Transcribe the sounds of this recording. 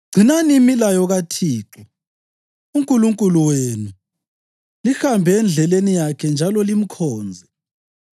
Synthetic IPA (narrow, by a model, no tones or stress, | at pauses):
ɡ͡ǀʱinanimilajɔɣatʰiːǁɔ | uŋkʼuluŋkʼuluwenu | lixambʱɛːnd͡ɮʱɛlenijakʰɛnd͡ʒʱalɔlim̩kʰɔːnd͡zʱɛ